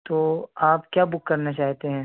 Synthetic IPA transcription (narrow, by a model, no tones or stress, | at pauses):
t̪oːaːpkjaːbʊkːɐɾnat͡ʃaːɦt̪eɦɛ̃ː